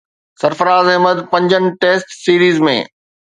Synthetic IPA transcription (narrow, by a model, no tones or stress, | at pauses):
sɐɾfəɾaːzɪɦməd̪pɐ̃ɲd͡ʑənɪ̆ʈeːsʈsiːɾiːzmḛ̃ː